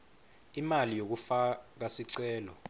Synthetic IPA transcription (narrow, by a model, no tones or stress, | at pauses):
imalijok̬ufak̬asiǀɛːlɔ̰